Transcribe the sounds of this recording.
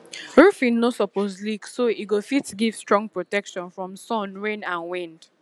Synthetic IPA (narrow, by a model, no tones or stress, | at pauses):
ɹufĩnnosɔpozliksoiɡofitɡiv̥stɹɔ̃ŋɡ̚pɹotɛkʃɔ̃nfɹɔ̃msɔ̃nɹẽnãnwĩnd̥